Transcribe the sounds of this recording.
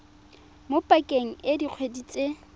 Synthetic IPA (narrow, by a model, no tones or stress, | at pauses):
mopʼakʼeŋ̩ɪdiq͡χʰwedit͡sʼe